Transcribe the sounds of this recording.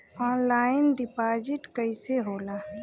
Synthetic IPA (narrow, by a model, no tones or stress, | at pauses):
ɔːnlaːɪnɖɪpaːd͡ʒɪʈkəiseɦoːlaː